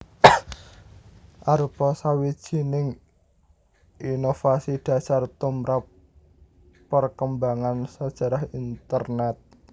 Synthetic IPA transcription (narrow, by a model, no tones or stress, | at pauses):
ʔaɾupɔsawid̥ʒ̥i̤nɪŋ | inofasiɖ̥a̤sart̪umɾap | ərkəmbaŋansəd̥ʒ̥a̤ɾahint̪ərnɛt̪̚